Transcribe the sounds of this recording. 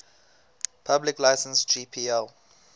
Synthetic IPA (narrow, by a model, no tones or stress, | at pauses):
pʰablɪklaɪsə̃nsd͡ʒiːpʰiːɛl